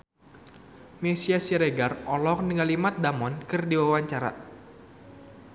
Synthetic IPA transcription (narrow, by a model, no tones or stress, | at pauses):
mesiasiɾeɡarɔlɔk̚nəŋalimat̪̚damɔnkɨrdiwawaɲt͡ʃaɾa̰